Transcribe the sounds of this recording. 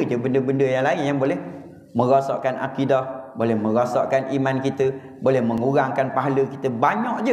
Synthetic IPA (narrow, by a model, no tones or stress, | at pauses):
d͡ʒəbəndəbəndəjaŋlaɪnjaŋbolɛh | mə̃ɾɔsɔ̰ʔkanʔa̰kidɔhbolɛhmə̃ɾosɔ̰ʔkanʔimankit̪ə | bolɛhməŋuɾaŋkanpaɦaləkit̪əbaɲɔʔd͡ʒə